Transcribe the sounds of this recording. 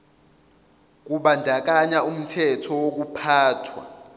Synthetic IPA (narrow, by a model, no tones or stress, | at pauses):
k̬uɓandʱak̬aɲaum̩tʰɛtʰɔwok̬upʰaːtʰwa̰